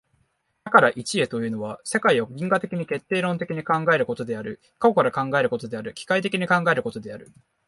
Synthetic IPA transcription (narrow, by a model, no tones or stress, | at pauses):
d̪akaɾaʔit͡ɕie̞t̪o̞jɯ̟ːno̞βase̞kaioɡʲĩŋɡat̪e̞kʲiɲ̟ike̞t̪ːe̞ːɾõ̞nt̪e̞kʲiɲ̟ikãŋɡae̞ɾɯ̟ko̞t̪o̞d̪e̞aɾɯ̟ | kakokaɾakãŋɡae̞ɾɯ̟ko̞t̪o̞d̪e̞aɾɯ̟kʲi̥kait̪̬e̞kʲiɲ̟ikãŋɡae̞ɾɯ̟ko̞t̪o̞d̪e̞aɾɯ̟